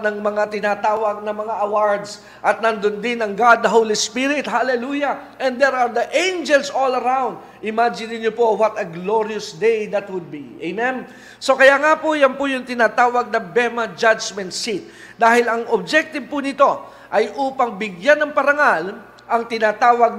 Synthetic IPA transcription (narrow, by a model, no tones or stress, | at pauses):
nɐŋmɐŋat̪ɪnaːt̪aːwɐɡ̚nɐmɐŋaʔɐwaɹd̪s | ʔɐt̪̚nɐnd̪ond̪ɪnɐŋɡad̪̚ːɐɦowlispiɾɪt̪halɛlujɐʔɛ̃nd̪d̪ɛɹaɹd̪ɐʔẽjnd͡ʒɛlsolɐɾãwnd̪̚ | ɪmad͡ʒɪnɪnjopowɐt̪ɐɡloɹiɐsd̪ejd̪ɐt̪wʊd̪̚biʔejmɛn | so̞kɐjaŋapʊjanpʊjʊŋt̪ɪnaːt̪aːwɐɡ̚nɐbɛmɐd͡ʒad͡ʒmɛ̃nt̪sit̪̚ | d̪aːhɪlɐŋob̚d͡ʒɛk̚t̪ɪb̚pʊnɪt̪o̞ | ʔɐjʔuːpɐŋbɪɡjanɐŋpɐɾɐŋal | ʔɐŋt̪ɪnaːt̪aːwɐɡ̚